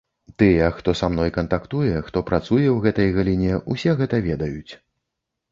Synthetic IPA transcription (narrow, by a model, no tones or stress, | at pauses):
t̪ɨjɛxt̪ɔsamnɔjkɐnt̪akt̪ujɛxt̪ɔpɾat̪sujɛwɣɛt̪ɐjɣalʲinʲɛʔusʲɛɣɛt̪ɐvʲɛd̪ɐjut͡sʲ